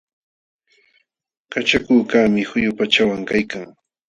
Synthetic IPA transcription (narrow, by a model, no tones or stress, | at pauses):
kat͡ʃakʊːkaːmɪhʊjʊpat͡ʃawaŋkajkaŋ